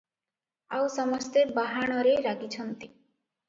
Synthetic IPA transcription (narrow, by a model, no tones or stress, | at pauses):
awsɔmɔst̪ebaɦaɽ̃ɔɾeɾaɡit͡ʃʰʌnt̪i